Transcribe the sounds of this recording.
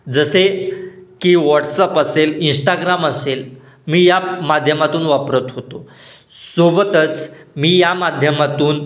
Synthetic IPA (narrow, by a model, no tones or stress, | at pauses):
d͡zəsekiːʋaʈsəpəselinsʈaɡɾaməsel | miːjamad̪ʱjəmat̪uːnʋapɾət̪ɦot̪o | sobət̪ət͡smiːjamad̪ʱjəmat̪uːn